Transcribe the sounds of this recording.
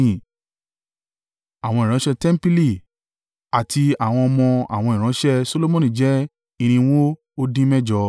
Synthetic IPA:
ĩ˦˨ | a˨w̃ɔ̃˧i˨ɾ̃ã˨˦ʃɛ˦˧tɛ˦m̩˦pi˦li˦˨ | a˨tʰi˧a˨w̃ɔ̃˧ɔ˧mɔ̃˧a̰˨w̃ɔ̃˧i˨ɾ̃ã˨˦ʃɛ˦so˧˦lo˦mõ˦nĩ˦˨d͡ʒɛ˦ | i˧ɾ̃ĩ˧w̃õ˦ | o˦dĩ˦mɛ˦d͡ʒɔ˧

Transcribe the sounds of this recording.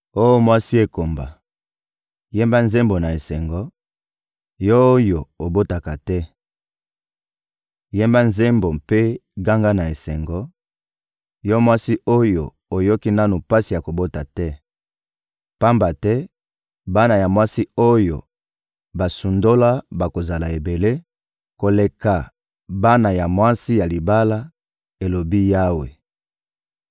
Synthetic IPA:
o˦jo˦mwa˦si˦e˨ko˨mba̰˨ | je˦mba˦nze˦mbo˨na˨e˨sɛ˨ŋɡɔ˨ | jɔ˦o˦jo˨o˨bo˦ta˨ka˨tɛ˦ | je˦mba˦nze˦mbo˨mpe˦ɡa˦ŋɡa˦na˨e˨sɛ˨ŋɡɔ˨ | jɔ˦mwa˦si˦o˦jo˨ | o˨jɔ˦ki˦na˦nu˨pa˦si˨ja˨ko˨bo˦ta˨tɛ˦ | pa˦mba˨tɛ˦ | ba˦na˨ja˨mwa˦si˦o˦jo̰˨ | ba˨su˨ndo˦la˦ba˨ko˨za˨la˨e˨be˨le˦ | ko˨le˨ka˨ | ba˦na˨ja˨mwa˦si˦ja˨li˨ba˦la˦ | e˨lo˨bi˦ja˦we˨

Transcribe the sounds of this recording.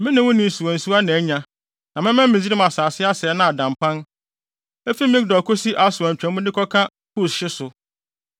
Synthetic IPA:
mɪ̃˦nɪ̃˨wʊ̃˦nɪ̃˨su˨æ̃˨n̩˨su˦a˦nã˨˦ɲã˨ | nã˨mɪ̃˦mɛ̃˦m̩ː˦ɪ̃˨d͡ʑi˦ɾĩ˦ma˨saː˨sɪ˦a˦sɪ˨ɛ˦nã˦a˨dã˨mpʰã˦n | e˦fi˦mɪ̃˦dɔ˨kʰo˦si˦ʔa˦sʊ˨a˨ɲ̩˨t͡ɕᶣɾæ̃˨˦mʊ̃˦dɪ˦kʰɔ˦kʰã˦ | pʰu˦˨sɕɪ˦sʊ˨

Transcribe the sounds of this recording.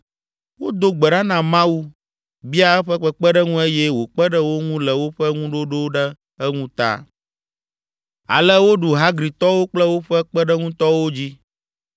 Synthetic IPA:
wo˦d̪o˦ɡ͡bɛ˨ɖa˦nã˨mã˦wu˦ | bi˦a˦ɛ˦ɸɛ˦k͡pɛ˦k͡pɛ˦ɖɛ˦ŋũ˦e˦jɛ˦wo˨k͡pɛ˦ɖɛ˦wo˦ŋũ˦lɛ˨wo˦ɸɛ˦ŋũ˦ɖo˦ɖo˦ɖɛ˦ | ɛ˦ŋũ˦t̪a̰˦˨ | a̰˨lɛ˦wo˦ɖu˨ɦa˦ɡɾi˨t̪ɔ˦wo˦k͡plɛ˦wo˦ɸɛ˦k͡pɛ˦ɖɛ˦ŋũ˦t̪ɔ˦wo˦d͡ʑi˦

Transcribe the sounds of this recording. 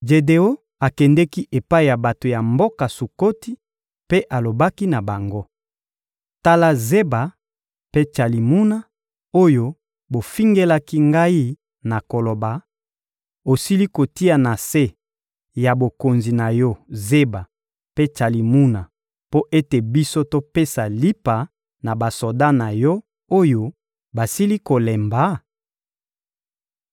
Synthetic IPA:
d͡ʒe˨de˨o˦ | a˨kɛ˨ndɛ˦ki˦ʔe˨pa˦i˨ja˨ba˨to˨ja˨mbo˦ka˨su˨ko˦ti˦ | pe˦ʔa˨lo˨ba˦ki˦na˨ba˨ŋɡo˦ | ta˦la˨ze˦ba˨ | pe˦t͡ʃa˨li˨mu˦na˦ | o˦jo˦ | bo˨fi˦ŋɡe˦la˦ki˦ŋɡa˦i˦ | na˨ko˨lo˨ba˨ | o˨si˦li˦ko˨ti˦a˨na˨se˦ | ja˨bo˨ko˨nzi˨na˨jɔ˦ze˦ba˨ | pe˦t͡ʃa˨li˨mu˦na˨ | po˦ʔe˦te˨bi˦so˦to˦pe˦sa˨li˦pa˨ | na˨ba˨so˨da˦na˨jɔ˦ | o˦jo˦ | ba˨si˦li˦ko˨lɛ˨mba˨˦

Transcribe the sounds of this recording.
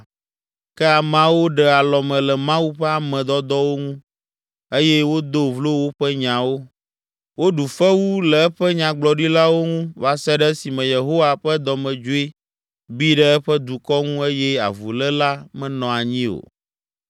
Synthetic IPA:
kɛ˦a˨mã˦wo˦ɖɛ˦a˨lɔ˨mɛ̃˨lɛ˨mã˦wu˦ɸɛ˦a˨mɛ̃˨d̪ɔ˦d̪ɔ˦wo˦ŋũ˦ | e˦jɛ˦wo˦d̪o˦vlo˦wo˦ɸɛ˦ɲã˨wo˦ | wo˦ɖu˨fɛ˦wu˦lɛ˨ɛ˦ɸɛ˦ɲã˨ɡ͡blɔ˨ɖi˦la˦wo˦ŋũ˦va˨sɛ˦ɖɛ˦si˨mɛ̃˨je˨ɦo˦wa˨ɸɛ˦d̪ɔ˨mɛ̃˨d͡ʒo˦e˦ | bi˦ɖɛ˦ɛ˦ɸɛ˦d̪u˨kɔ˦ŋũ˦e˦jɛ˦a̰˨vu˨lɛ˦la˦mɛ̃˦nɔ̃˨a˨ɲĩ˦o̰˨

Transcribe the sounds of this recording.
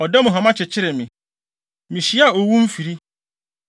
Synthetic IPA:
ɔ˨dɛ˦mʊ̃˨ɦã˨mã˦t͡ɕʰɪ˨t͡ɕʰɪ˦ɾɪ˨mɪ̃˨ | mĩ˨ɕi˦a˨o˨wũ˦m̩˦fi˨ɾi˦

